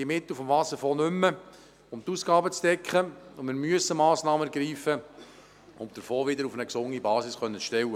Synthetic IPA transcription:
imɪt̪l̩fɔmvɑːsəfoːnʏmːə | ʊmt̪uːsɡ̥ɑːbət͡sd̥ɛkχəʊmɪɾmyəsəmɑːsnɑːməɡɾiːfə | ʊntd̪̥əɾfoːʋɪd̪əɾufnəksʊŋːibɑːsisχœnːəʃtɛwə

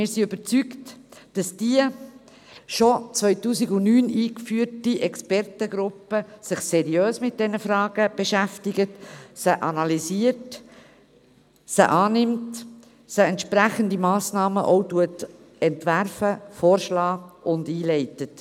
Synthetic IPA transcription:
mɪːɾsiʏbəɾt͡syktd̥ɑsd̥iə | ʃɔt͡sʋœʏtuːsiɡʊnyːniːkfyːəɾtiʔɛkspɛrtəɡ̥ɾʊpːəsɪχsɛɾiøːsmɪt̚d̥ɛnəfɾɑːɡ̥əb̥ɛʃæftiɡətsəʔɑnɑlisiːəɾt | sə̰ʔɑːnɪmt | səɛntʃpɾæχəndimɑːsnɑːməʔowtuət | ɛntvæɾfəfoːɾʃlɑːʔʊndiːlɛɪtət

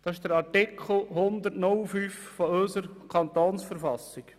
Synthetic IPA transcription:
d̥ɑːsɪʃd̥əɾɑɾtɪkχl̩hʊnd̪ətnolufyːffɔøːsəɾkʰɑnt̪oːnsfəɾfɑsːɪk

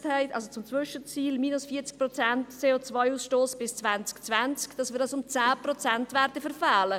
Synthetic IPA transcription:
thɛɪtɑ̰lsot͡sʊmt͡svʏʃət͡siːlmiːnʊsfiət͡sk̚prɔt͡sæntt͡seːot͡svaɪuːsʃtoːsb̥ɪst͡svant͡skt͡svant͡skd̥ɑsvɪːɾdɑsʊmt͡saːprot͡sɛntvæɾd̥əfəɾfaːlə

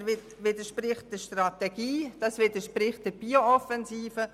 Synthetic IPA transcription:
ʋɪdəɾʃprɪχt̚d̥əʃtrɑtɛɡ̥iːd̥ɑsʋɪdəʃprɪχt̚d̥əb̥iːoɔfɛnziːfə

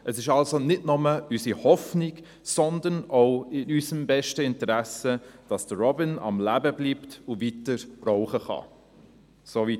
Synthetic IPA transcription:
ʔəsɪʃɑlsonɪdnʊməysihɔfnɪɡ | sɔnd̪ənʔoʊɪnysəmbɛʃtəɪntəɾæsəd̥ɑsd̥əɹɔbɪnɑ̰mlæbəbliːptʊvitəɾroʊχəχɑ̰ | soːvi

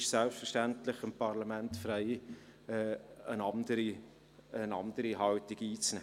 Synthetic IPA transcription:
ʃsɛlpstfɛʃtæntlɪχɪmpʰɑʁlamɛntfɾɛɪɛːənɑndəɾi | ənɑndəɾiɦɑltiɡ̥iːt͡snɛ

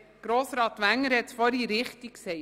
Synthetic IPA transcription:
ɡ̥ɾoːsɾɑːtʋæŋːəɾhɛtsfɔɾiɾɪχt̪ikksɛ

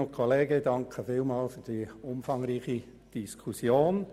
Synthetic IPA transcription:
okʰoleːɡədɑŋkχəfɪlmɑːlfʏd̥iʊmfɑŋɾiːχi | d̥iskʰusjoːn

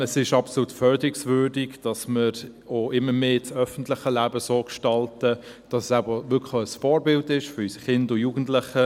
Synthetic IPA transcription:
əsɪʃɑpsoluːtfœːɾdəɾɪksvʏːɾdikd̥ɑsmɪɾoʔɪmːəmeːt͡sœfən̩tləχəlæːbəsoːkʃtɑltə | d̥ɑssæbəvʏkχəsfɔːɾbɪldɪʃfʏɾysəχɪndʊjuːɡən̩tlɪχə

